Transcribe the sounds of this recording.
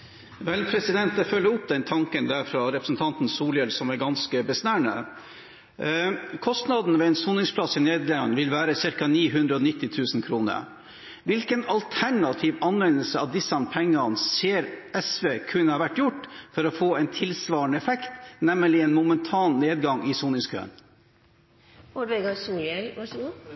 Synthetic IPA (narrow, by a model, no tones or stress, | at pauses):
ʋɛlpʰɾɛsɪd̪ɛnt̪d̪ɛfœlːəʊp̚d̪ɛnt̪ʰɑŋkənd̪æɾfɾɑɾɛpɾəsn̩t̪ʰɑnt̪n̩suːljɛlsɔmæɾɡɑnskəbəsnæːɳə̰ | kʰɔst̪nɑd̪n̩ʋɛɛnsuːnɪŋspʰlɑsɪneːd̪lɛnʋɪlʋæːɾəsɪɾkɑniːɦʉnd̪ɾəɔnɪt̪ːɪt̪ʰʉːsn̩kʰɾuːnə̰ɾ | ʋɪlkənɑlt̪ʰæɳɑt̪ʰiʋɑnʋɛnəlsəɑ̰ʋd̪ɪsːɑnpʰɛŋːɑnseːɾɛsʋeːkʰʉnːəhɑːʋæʈːjʊʈːfɔɾɔfoːɛɪnt̪ʰɪlsʋɑːɳəɛfɛkt̪nɛmːəlɪɛnmʊmənt̪ʰɑːnːeːd̪ɡɑŋɪsuːnɪŋskʰø̰ːə̰n | ɔɾʋeɡɑsuːɾɛlʋɑʂ